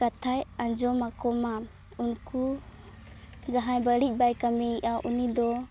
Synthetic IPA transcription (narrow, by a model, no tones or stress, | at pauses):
katʰajand͡ʒɔmakɔma | unkʰu | d͡ʒaɦajbaɾic̚ˀbajkamiʔaʔunid̪ɔ